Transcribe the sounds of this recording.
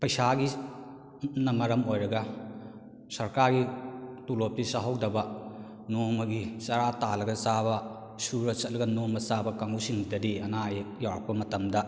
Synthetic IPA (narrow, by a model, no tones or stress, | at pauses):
pɐjsaɡi | nɐmɐɾɐmojɾɐɡɐ | sɐɾkaɾɡitulop̚tisɐɦɐwdɐbɐ | nomɐɡisɐɾatalɐɡɐsabɐ | suɾɐsɐt̚lɐɡɐnomɐsabɐkaŋɡusiŋdɐdiɐnajek̚jawɾɐk̚pbɐmɐtɐmdɐ